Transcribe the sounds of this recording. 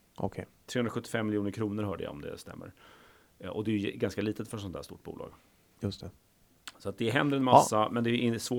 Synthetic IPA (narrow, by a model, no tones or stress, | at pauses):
ʔɔkʰɛt̪ʰɾeːɵnɾaɧɵt̪ːɪ̥fɛmːɪljuːnəɾkʰɾuːnəɾɦœːɖə̰ja̰ɔ̰md̪ɛ̰st̪ɛ̰mːə̰ɾ | ɔd̪ɛjʏɡanskaliːt̪ət̪fœʂɔnt̪ʰæːʂt̪ṵːʈ̚bṵːlɑ̰ːɡ | jɵst̪ʰɛ | sɔat̪̚d̪ɛɦɛnd̪əɾɛnmasːamɛnd̪ɛʔɪsvoː